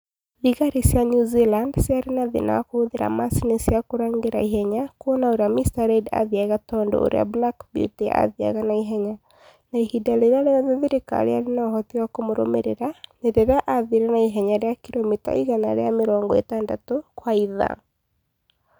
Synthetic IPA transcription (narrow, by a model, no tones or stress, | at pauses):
liɣaɾisjanjuzilandsjaɾenaðḛna̰koːðeɾa̰masinesjakoɾaŋɡeɾa̰ihɛɲakonaoɾeamistaɾɛda̰ðjaɣatɔndɔ̰o̰ɾḛa̰blakbjṵtia̰ðja̰ɣanaiɦɛɲa | naihidaleɾaɾeaðeðiɾeka̰ɾḛaɾenaɔɦɔtiwakomoɾo̰mḛɾeɾaneɾeɾaʔaðiɾenaiɦɛɲaɾeakiɾomita̰ḭɣana̰ɾḛameɾɔŋɡɔḛtandatokwaiða̰ŋ